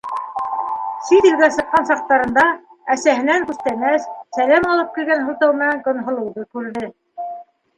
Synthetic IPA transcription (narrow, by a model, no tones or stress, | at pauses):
sit̪ĭlɡæsɤqːɑnsɑq̚t̪ɑɾɤ̆nd̪ɑ | æsæɦɘ̆næŋkʉθt̪æmæsːælæmɑlˠɤp̚kilɡænɦult̪ɑwmɘ̆næŋɡŏnɦŏlˠɤ̆wðɤkʉɾðɘ